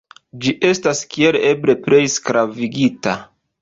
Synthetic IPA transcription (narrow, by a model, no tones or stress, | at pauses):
d͡ʒiʔe̞staskie̞le̞bɾe̞pɾe̞jskɾaviɡita̰